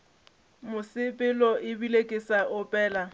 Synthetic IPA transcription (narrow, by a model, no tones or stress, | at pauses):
mʊsɪpʼɪlɔɪbilekʼɪsaʔʊpʼɛːla